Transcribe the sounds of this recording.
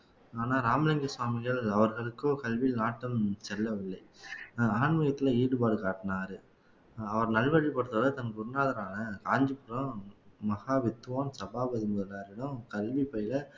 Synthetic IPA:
aːnaːɾaːmɪlɐŋɡɐsʋaːmɪɣɐɭɐʋɐɾɣɐɭɯkːõːkɐlʋinaːʈːɐmsɛlːɐʋɪlːɐɪaːɳmɐjɐt̪ːɪlɐiːɽɯpaːɽɯkaːʈːɪnaːɾɯ | ɐʋɐɾnɐlʋɐɻipɐɽɯt̪ːɐʋɐðɐɯt̪ɐŋɐkːʊɾnaːðɐɾaːnɐkaːɲd͡ʒɯpːɯɾɐ̃mɐɣaːʋɪt̪ːɯʋaːnsɐbaːbɐðɪmʊðɐlaːɾɪɽɯ̃kɐlʋipːɐjɪlɐ

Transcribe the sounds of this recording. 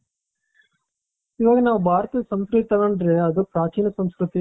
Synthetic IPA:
iʋaːɡɐnaːʋubʱaːɾɐt̪ɐsɐmskɾtt̪ːaːʋɐɳɖɾeɐd̪upɾaːt͡ʃiːnɐsɐmskɾut̪i

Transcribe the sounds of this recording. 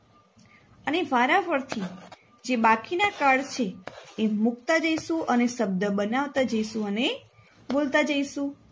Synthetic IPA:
əneʋaɾaʋəɾt̪ʰi | d͡ʒebakinakaɭt͡ʃʰeː | mukt̪ad͡ʒəiʃũʔəneʃəb̚d̪əbənaʋt̪ad͡ʒəiʃũəne | bolt̪ad͡ʒəjʃũ

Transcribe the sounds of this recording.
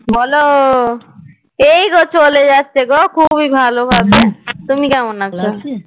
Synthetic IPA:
bʱɔlo | ejkot͡ɕoled͡ʑatːt͡ʃʰekokʰubibʱalobʱabet̪umikɛmonakt͡ʃʰɔ

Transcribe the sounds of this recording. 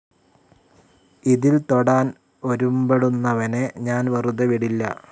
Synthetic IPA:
iðilt̪o̞ɽaːn | o̞ɾumbeɽunːɐʋɐneɲaːnʋɐruðɐʋiɽilːɐ̰

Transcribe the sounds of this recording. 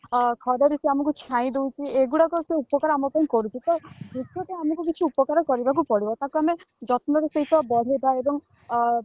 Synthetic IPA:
kʰɔd̪eɾisiamɔk̬ut͡ʃʰãĩd̪ewt͡ʃʰieɡuɽakɔseupɔkaɾɔamɔpaĩkɔɾut͡ʃʰit̪ɔbʱutːɔp̪aamɔk̬uk̬it͡ʃʰiupɔkaɾɔkɔɾibak̬upɔɽibɔt̪akuame | d͡ʒɔt̪mɔɾeseit̪ʰɔbɔd̪ʱed̪ʱaebɔŋ

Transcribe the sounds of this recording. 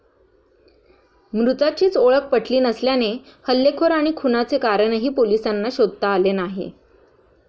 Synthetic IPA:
mɾut̪at͡ɕiːt͡soɭək̚ʰpəʈʰliːnəsljanehəlːekʰoɾaɽ̃ikʰunat͡sekaɾəɳ̃ɦiːpolisanːaɕod̪̚ʱt̪aːlenaɦḛ

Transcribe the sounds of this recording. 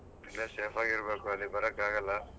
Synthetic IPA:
ilːeseːpʰaːɡiɾɐbeːkuɐlːibɐɾɐkːaːɡɐlːɐ

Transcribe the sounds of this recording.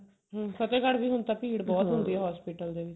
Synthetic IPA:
ɦːsət̪eːkəɽʋiːɦʊnt̪aːpiːɽbɔːt̪ɦʊ̃nd̪iːɛːɦɔːspiːʈəld̪eːʋɪt͡ʃ

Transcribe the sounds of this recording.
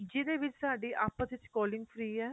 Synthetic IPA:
d͡ʒɪd̪eːʋɪt͡ʃsaːɖiːʔaːpːãːd̪ɪt͡ʃkɔːlɪŋɡfʰɾiːɛː

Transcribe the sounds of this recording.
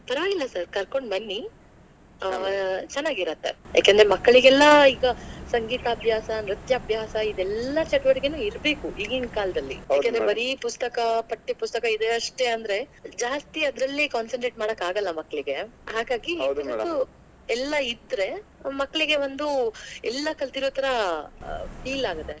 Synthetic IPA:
pɐɾɐʋaːɡilːɐsɐɾkɐɾko̞ɳɖmɐnːi | t͡ʃɛnːaːɡiɾɐt̪ːḛja̰ːkend̪ɾemɐkːɐɭiɡɛlːɐiːɡɐsɐŋɡiːt̪ɐːbʱjaːsɐnɾit̪jɐːbʱjaːsɐid̪ɛlːɐt͡ʃɐʈʋɐɽiɡenuːiɾbe̞ːkuiːɡɐinkaːld̪ɐlːḭjaːkend̪ɾebɐeɾipust̪ɐkɐpɐʈːipust̪ɐkɐid̪eɐʂʈeɐnd̪ɐɾe̞d͡ʒaːst̪iɐd̪ɾɐlːikaːnsɐɳʈɾeːʈmaːɽɐkːaːɡɐlːɐmɐkːɐɭiɡe̞ɦaːɡaːɡid̪ɐɐu | ɛlːɐid̪ɾe̞mɐkːɐɭiɡe̞ʋo̞nd̪uɛlːɐkɐlt̪iɾoːt̪ɐɾɐ | pʰiːlaːɡɐt̪ːe

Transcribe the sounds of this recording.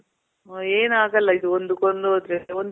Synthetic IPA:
eːnaːɡɐlːɐid̪uond̪ukond̪uod̪ɾeond̪

